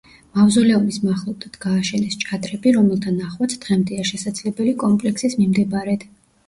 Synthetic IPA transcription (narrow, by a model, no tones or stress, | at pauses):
mavzɔlɛɔmismaχlˠɔb̚d̪ad̪̥ɡaːʃɛnɛst͡ʃʼad̪ɾɛbiɾɔmɛlˠt̪ʰanaχwat̪sʰd̪̥ʁɛmd̪ɛaʃɛsad̪zlɛbɛlikʼɔmpʼlɛksismimd̪ɛbɾɛd̪̥